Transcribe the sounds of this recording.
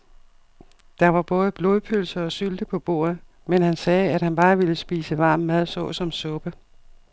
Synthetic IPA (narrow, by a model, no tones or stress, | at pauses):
d̥ɑ̈ʋɑ̈b̥ɔ̽ːð̞ˠəb̥lo̝ːðˠpʰølsɐɒ̽syld̥əpʰɒ̽b̥o̝̰ːɐ̰ð̩ˠ | menhænsɛːæd̥hænb̥ɑ̈ːʋiləsb̥iːsəʋɑ̈ːmːæðˠsɔ̰̽sɒ̽msɔ̽b̥ə